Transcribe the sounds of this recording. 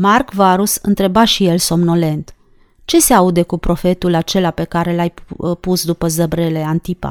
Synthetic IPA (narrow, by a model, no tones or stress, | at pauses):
markvaɾusɨ̰nt̪ɾe̞baʃije̞lso̞mno̞le̞nt̪ | t͡ʃe̞se̞aud̪e̞kupɾo̞fe̞t̪ulat͡ʃe̞lape̞kaɾe̞lajpusd̪upəzəbɾe̞le̞ant̪ipa̰